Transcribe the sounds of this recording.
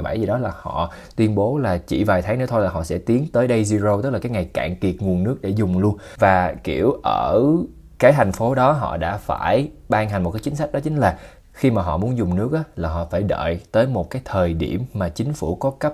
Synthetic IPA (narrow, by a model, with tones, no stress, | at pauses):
ɓa̰˧˩jzi˨˩ɗɔ˨˦laː˨˩hɔ̰˧˨ | t̪wi˧ənɓo˨˦laː˨˩t͡ɕḭ˧˨vaː˨˩jt̪ʰaː˨˦ŋnɨ̰˧˥t̪o˧jlaː˨˩hɔ̰˧˨sɛ̰˧˥t̪i˨˦ənt̪əː˨˦jɗə˧jzi˧zo˧wt̪ə˦˥k̚laː˨˩kːaː˨˦jŋa˨˩jka̰ː˧˨ŋki˨˩ət̚ŋu˨˩ənːɨ˦˥k̚ɗḛ˧˩zʊ˨˩ŋ͡mlu˧ənvaː˨˩kḭ˧˩əwʔəː˧˩ | kaː˨˦jt̪ʰa˨˩jŋ̟fo˨˦ɗɔ˨˦ɦɔ̰˧˨ɗa̰ː˧˥faː˧˩jɓaː˧ŋɦa˨˩ŋmo˨˩t̚kːt͡ɕï˨˦ŋ̟sa˦˥k̚ɗɔ˨˦t͡ɕï˨˦ŋ̟laː˨˩ | xi˧maː˨˩ɦɔ̰˧˨mu˨˦ənzʊ˨˩ŋ͡mnɨ˦˥ək̚ʔaː˨˦laː˨˩ɦɔ̰˧˨faː˧˩jɗə̰ː˧˨jt̪əː˨˦jmo˨˩t̚kaː˨˦jt̪ʰəː˨˩jɗi˧˩əmːaː˨˩t͡ɕï˨˦ŋ̟fṵ˧˩kɔ˨˦kə˦˥p̚